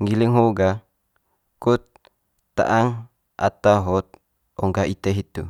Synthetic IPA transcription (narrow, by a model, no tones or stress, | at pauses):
ŋiliŋɦoɡa | kut̪ː | a̰ʔaŋ | a̰t̪aɦɔt̪̚ | ɔŋɡait̪eɦit̪ṵ